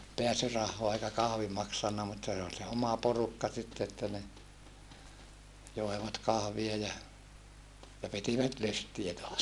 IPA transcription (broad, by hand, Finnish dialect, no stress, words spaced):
peæsyrɑhːoɑ eikæ kɑhʋi mɑksɑnːɑ mutːɑ se ol se omɑ porukːɑ sitːe etːæ ne joeʋɑt kɑhʋie jɑ jɑ pitiʋæt lystiæ toɑs